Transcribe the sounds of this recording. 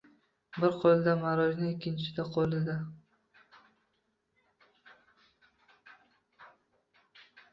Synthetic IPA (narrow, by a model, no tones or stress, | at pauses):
bɪɾqʰolɪd̪amaɾɒʒnɪɪkʲʰːɪnt͡ʃʰɪ̥d̪aqʰolˠɪd̪a